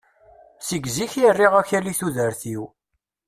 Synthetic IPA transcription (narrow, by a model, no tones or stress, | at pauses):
siɡziçjərːiʁæçæliθuðəɾθiw